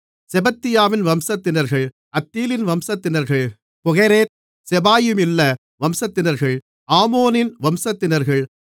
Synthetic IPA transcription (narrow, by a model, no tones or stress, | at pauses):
sɛbɐt̪ːɪjaːʋɪnʋɐmsɐt̪ːɪnɐɾɣɐɭ | ɐt̪ːiːlɪnʋɐmsɐt̪ːɪnɐɾɣɐɭ | pʊɣɐɾeːt̪̚ | sɛbaːjɯmɪlːɐ | ʋɐmsɐt̪ːɪnɐɾɣɐɭ | aːmoːnɪnʋɐmsɐt̪ːɪnɐɾɣɐɭ